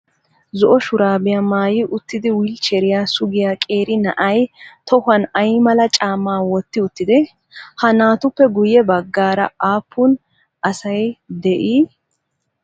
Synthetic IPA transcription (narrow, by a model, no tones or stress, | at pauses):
zɔʔɔʃʊɾaːbɪjamaːjɪʔʊt̪ːɪd̪ɪwilt͡ʃɛɾɪjasʊɡɪjakʼeːɾɪnɐʔɐjt̪ʰɔhɐnɐjmɐlɐt͡ʃʼaːmːaːwɔt̪ːɪʊt̪ːɪd̪ɪ | hɐnaːt̪ʊpːɛɡʊjɛbɐɡːaːɾɐ̰aːpʰːʊn | ɐsɐjd̪ɛʔiː